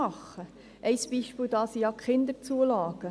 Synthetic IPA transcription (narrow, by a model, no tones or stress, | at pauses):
ɑχːə | ʔɛɪsb̥iːʃpɪːld̥ɑːsiɑkχɪnd̪əɾt͡suəlɑːɡ̥ə